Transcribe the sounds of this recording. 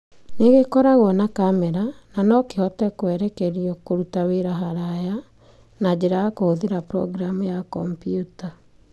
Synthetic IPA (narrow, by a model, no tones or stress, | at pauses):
neɣekɔɾaɣwɔnakamɛɾananɔkehɔtɛkwɛɾɛkɛɾiɔkoɾutaweɾaɦaɾaja | nad͡ʑeɾaakohoðeɾapɾɔ̰ɡɾamujakɔmpjuta